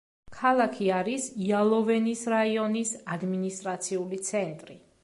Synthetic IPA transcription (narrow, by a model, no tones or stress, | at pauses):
kʰalˠakʰiaɾisialˠɔvɛnisɾaiɔnisad̪minist̪ʼɾat̪sʰiulit̪sʰɛnt̪ʼɾi